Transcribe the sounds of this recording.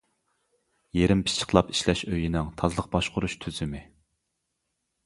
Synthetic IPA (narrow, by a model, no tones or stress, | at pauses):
jeɾɪmpʰɪ̥t͡ʃʰə̥χlˠɑpi̥ʃlɛʃøjinɪŋt̪ʰɑzlˠəq̚bɑʃqʊɾuʃt̪ʰyzɪmɪ